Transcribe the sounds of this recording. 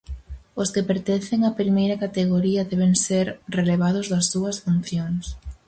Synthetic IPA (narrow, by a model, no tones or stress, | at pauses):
ʊskepeɾt̪en̟θeŋɐpɾimejɾɐkat̪eɣ̞oɾiɐðɛβeŋseɾreleβ̞að̞ʊzðɐsːuɐsfunθjoŋs